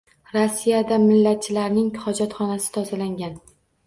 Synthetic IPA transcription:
ɾasːijad̪amɪlːat̪̚t͡ʃʰɪlaɾnɪŋχɒd͡ʒɒt̪χɒnasɪ̥t̪ʰɒzalaŋɡʲan

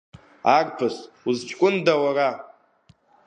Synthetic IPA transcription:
arʼpʰɨs | uzt͡ʃʼkʷʼʊndawara

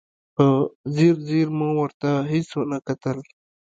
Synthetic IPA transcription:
pəziɾziɾmãwəɾt̪aɦisonakat̪əl

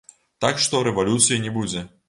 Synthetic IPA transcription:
t̪akʂt̪ɔɾɛvalʲut̪sɨjɐnʲɛbud͡zʲɛ

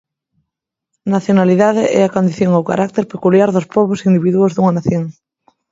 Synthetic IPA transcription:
naθjonaliðaðɪʔɛ̰akond̪iθjoŋawka̰ɾʔak̚t̪eɾpekuljaɾðʊspɔβʊsind̪iβiðuozðuŋɐnaθjoŋ

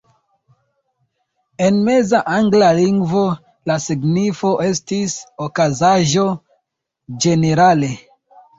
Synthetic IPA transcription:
e̞nme̞zaʔaŋɡlaliŋɡvo̞ | lasiɡnifo̞ʔe̞stisokazaʒo̞ | d͡ʒe̞ne̞ɾale̞

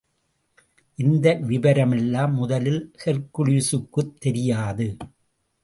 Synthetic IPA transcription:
ʔɪnd̪ɐʋɪbɐɾɐmɛlːaːmːʊðɐlɪlsɛɾkɯɻisɯkːɯt̪ːɛɾɪjaːðɯ

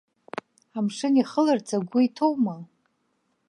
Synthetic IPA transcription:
amʂɨniχəlɨrt͡sʰʼaɡʷʊitʰo̞wma

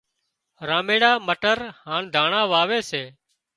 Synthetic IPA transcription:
ɾãːmeːɽaːməʈəɾhaːɳd̪ʱaːɳãːʋaːʋeːseː

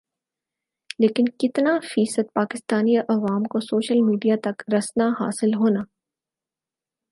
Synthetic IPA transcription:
leːkɪnkɪt̪nafiːsəd̪̚paːkɪst̪aːniʔɐʋaːmkosoːʃəlmiːɖijat̪ɐkɾɐsnaɦa̰ːsɪlɦoːnaː

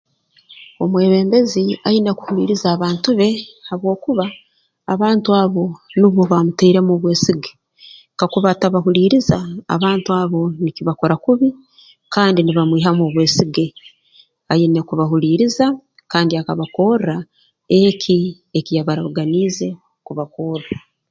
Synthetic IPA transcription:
o̞mwe̞ːβe̞ːmbe̞ziajineku̥hulḭːɾizaːβaːntuβe̞haβwo̞ːkuβaː | βaːntuaːβo̞niβoβamuteiɾe̞moβwe̞ːsiɡe̥ | kakuβataβaɦuliːɾiza̰ːβaːntuaːβo̞nikiβako̞ɾakuβi | kaːndiniβamwiːɦamoβwe̞ːsiɡe | ajinekuβaɦuliɾiza | kaːndiakaβako̞ːra | ekʰi | ekijaβaɾaβuɡaniːze̞ | kuβakora

